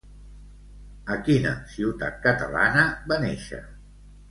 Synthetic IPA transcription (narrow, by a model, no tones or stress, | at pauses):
əkinə̰siwt̪a̰t̪̚kət̪ə̰la̰nəbaneʃə̰